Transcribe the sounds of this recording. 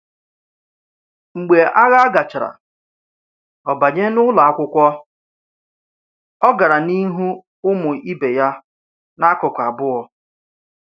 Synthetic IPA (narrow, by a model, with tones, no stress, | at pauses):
ŋ͡m̩˨ɡ͡be˨ʔa˦ɣa˦a˦ɡa˨t͡ʃa˨ɾa̰˨ | ɔ˨ba˨ɲe˦nʊ˦la˨a˦˨kʷʊ˦kʷɔ˦ | ɔ˦ɡa˨ɾa˨ni˦ɦu˦ | ʊ˦mʊ˨i˦be˨ja˦ | na˦kʊ˨kʷa˨bʊ˦ɔ˨